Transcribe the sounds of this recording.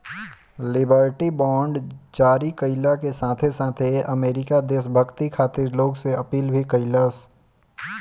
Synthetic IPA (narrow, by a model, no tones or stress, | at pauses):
lɪbəːɾʈibɔ̃ːɳɖd͡ʒaːɾikəɪlakesaːt̪ʰesãːt̪ʰeɐmeːɾɪkad̪eːʃbʱəɡt̪ikʰaːt̪ɪɾloːɡseɐpiːlbʱikəɪlas